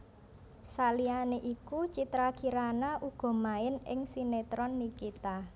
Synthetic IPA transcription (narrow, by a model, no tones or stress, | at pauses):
salianeʔikut͡ʃit̪ɾakiɾanaʔuɡ̥ɔ̤maɪnɪ̰ŋsinet̪ɾɔnːikit̪a